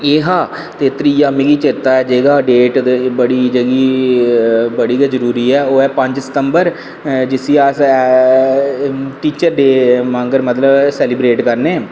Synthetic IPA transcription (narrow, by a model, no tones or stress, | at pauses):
eːɦaː | t̪eːt̪ɾiaːmiɡiːt͡ʃɪɾt̪aːɛːd͡ʒeːɡaːɖeːʈ̪bəɽiːd͡ʒəɡiː | bəɽiːɡɛːzəɾuːɾiːɛːoːɛːpə̃ɲd͡ʒsə̥t̪əmbəɾ | d͡ʒɪsiːaːs | ʈiːt͡ʃəɾd̪eːmãːŋɡəɾmət̪ləbsɛːlibɾeːʈkəɾneː